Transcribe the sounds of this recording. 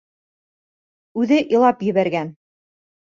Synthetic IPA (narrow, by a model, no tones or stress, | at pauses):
ʉðɘʔĭlˠɑpjɘ̆βæɾɡæn